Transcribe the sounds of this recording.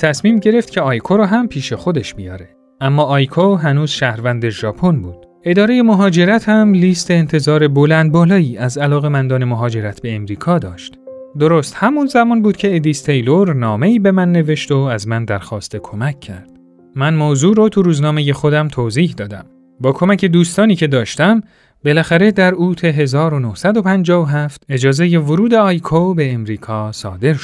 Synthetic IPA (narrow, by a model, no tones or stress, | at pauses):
t̪ʰæsmiːmɟe̞ɾe̞ft̪cʰe̞ɒːjkʰoɾɔːɦæmpʰiːʃe̞xo̞d̪e̞ʃbijɒːɾe̞ | æmːɒːʔɒːjkʰoɦænuːz̥ʃæhɾvænd̪eʒɒːpʰonbuːd̪̥ | e̞d̪ɒːɾe̞je̞moɦɒːd͡ʒe̞ɾæt̪ʰhæmliːst̪eːnt̪ʰe̞zɒːɾe̞bolænd̪̚bɒːlɒːiːʔæzælɒːɣe̞mænd̪ɒːne̞moɦɒːd͡ʒe̞ɾæt̪ʰb̥e̞ːmɾiːkʰɒːd̪ɒːʃt̪ | d̪oɾost̪hæmunzæmɒːnbuːd̪̚cʰe̞ed̪iːst̪ʰe̞jloɾnɒːme̞iːbe̞mænːe̞ve̞ʃt̪oæzmænd̪æɾxɒːst̪ʰe̞kʰo̞mæckʰːæ̰ɾd̪̥ | mænmoːzuːɾot̪ʰuɾuːznɒːme̞je̞xo̞d̪æmt̪ʰoːziːhd̪ɒːd̪æ̰m | bɒːkʰo̞mæcʰe̞d̪uːst̪ɒːniːcʰe̞d̪ɒːʃt̪æm | be̞læxæɾe̞d̪æɾuːt̪ʰe̞ɦe̞zɒːɾo̞nohsæd̪o̞pʰænd͡ʒɒːvoɦæft̪e̞d͡ʒɒːze̞je̞voɾuːd̪e̞ɒjkʰobe̞ːmɾiːkʰɒːsɒ̰ːd̪e̞ɾʃo̥